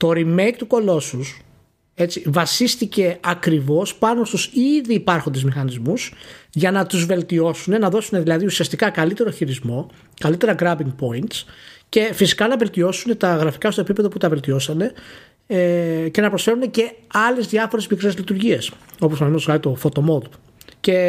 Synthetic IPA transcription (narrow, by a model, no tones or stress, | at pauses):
t̪o̞ɾime̞jkt̪uko̞lo̞sus | e̞t͡sivɐsist̪ice̞ɐkɾivo̞spɐno̞st̪usiðiːpɐɾxo̞nd̪e̞zmixɐnizmusʝɐnɐt̪uzve̞lt̪io̞sune̞nɐðo̞sune̞ðilɐðiusiɐst̪ikɐkɐlit̪e̞ɾo̞çiɾizmo̞ | kɐlit̪e̞ɾɐɡɾɐbiŋɡpo̞int̪sce̞fisi̥kɐnɐve̞lt̪io̞sune̞t̪ɐɣɾɐfi̥kɐst̪oepipe̞ðo̞put̪ɐve̞lt̪io̞sɐne̞ | ce̞nɐpɾo̞sfe̞ɾune̞ce̞ɐle̞zðʝɐfo̞ɾe̞zmikɾe̞zlit̪uɾʝie̞s | o̞posɐnmzɣɐɾit̪o̞fo̞t̪o̞mo̞d̪ | ce̞